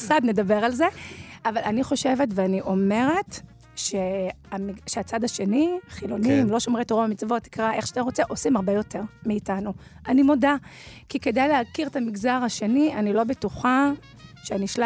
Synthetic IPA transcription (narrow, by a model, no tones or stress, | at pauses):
sad̪ne̞d̪abe̞ʁalze̞avalaniχo̞ʃe̞ve̞tveaniʔo̞me̞ʁe̞t | ʃe | amiʃeat͡sadaʃe̞niχilo̞nimlo̞ʃomʁetoʁoamit͡svo̞ti̥kʁaʔe̞χʃataʁo̞t͡seʔo̞simaʁbejo̞te̞ʁmiːtanu | ʔanimo̞dakike̞dejleakiʁetamiɡzaʁhaʃe̞nianilo̞betuχa | ʃeaniʃla